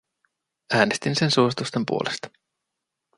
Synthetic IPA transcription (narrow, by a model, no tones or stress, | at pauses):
æːnest̪inse̞nsuosit̪ust̪e̞mpṵolest̪ɑ̥